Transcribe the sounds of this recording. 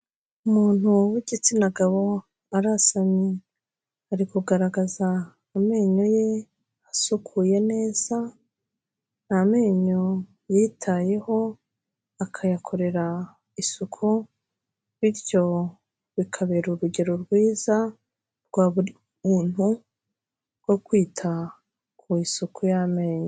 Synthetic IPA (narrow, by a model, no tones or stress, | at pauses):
umuːn̥uwiɟit͡sinaɡaβo̞ | aɾasaɲi | haɾikuɡaɾaɡazaː | me̞ːɲo̞je̞ | asukʰuje̞ne̞ːz̥a | name̞ːɲo̞ | jitʰaje̞ho̞ | akʰajakʰo̞ɾe̞ɾa | isukʰu | βiɾɟo̞ | βikʰaβe̞ɾuɾuɟe̞ɾoɾɡwiːza | ɾɡ̥waːβu | muːn̥u | ɾɡ̥o̞kwiːtʰa | kʰuisukʰujame̞ːɲo